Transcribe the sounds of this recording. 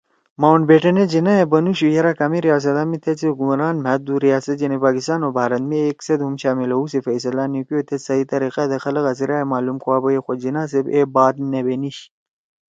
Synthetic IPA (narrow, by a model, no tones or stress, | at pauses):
mawɳʈbeːʈɐned͡ʑinaebɐnuɕujɐɾakamiɾijaːs̬ɐt̪amit̪ʰet͡seɡumɾaːnmɛt̪d̪uɾijaːsɐt̪̚d͡ʒɐnepaːkist̪aːnobʱaːɾɐnmeeksɐd̪ɦumɕaːmilɐusefɐjsɐlanikijot̪ʰesɐit̪ɐɾiqad̪ɐxɐlɐɣɐsiɾaːemaːlumkuwaːbɐjexod͡ʑinaːs̬ebeːbaːd̪nebeniɕ